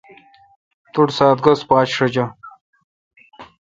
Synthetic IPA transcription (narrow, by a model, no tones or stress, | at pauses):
t̪uʈsaːt̪̚ɡɐspaːt͡ɕʂɐd͡ʑɐ